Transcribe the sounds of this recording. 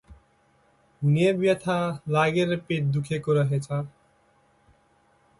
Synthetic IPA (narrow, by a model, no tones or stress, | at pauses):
ɦuniebjʌt̪ʰalaɡeɾepet̪̚d̪ukʰekoɾʌɦet͡sʰʌ